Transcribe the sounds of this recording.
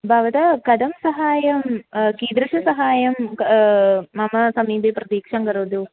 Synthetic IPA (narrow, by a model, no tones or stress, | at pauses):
bʱɐʋɐd̪ɐkɐd̪ɐmsɐɦaːjɐmkiːd̪ɾɐʂɐsɐɦaːjɐm | ɐmɐsɐmiːbeprɐt̪iːkʂɐmkɐɾuːd̪u